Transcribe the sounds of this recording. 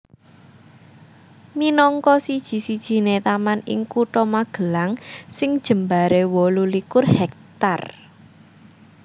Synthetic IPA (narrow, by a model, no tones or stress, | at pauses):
minɔŋkɔsid̥ʒ̥i̤sid̥ʒ̥i̤net̪amanɪ̰ŋkuʈɔmaɡ̥ə̤laŋsɪŋd̥ʒ̥ə̤mbaɾewɔlulikʊrhɛk̚t̪a̰r